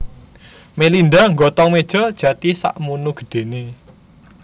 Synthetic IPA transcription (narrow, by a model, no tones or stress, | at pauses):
melind̪aŋɡɔt̪ɔŋmed̥ʒ̥ɔ̤d̥ʒ̥ä̤t̪isa̰ʔmunuɡ̥ə̤̥ɖ̪̥e̤ne